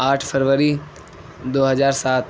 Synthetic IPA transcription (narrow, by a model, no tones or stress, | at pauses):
aːʈʰfʰəɾʋəɾi | d̪oːɦɐzaːɾsaːt̪